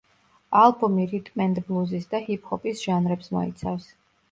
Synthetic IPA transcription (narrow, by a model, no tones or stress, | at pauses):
alˠbumiɾit̪ʼmɛnd̪blˠuzisd̪ahip̚ʰʼhɔpʼisʒ̥anɾɛpsmɔ̰ḭt̪sʰafs